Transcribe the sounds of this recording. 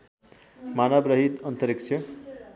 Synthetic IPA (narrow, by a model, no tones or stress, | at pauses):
manʌbɾʌɦit̪ʌnt̪ʌɾikt͡ʃʰʌ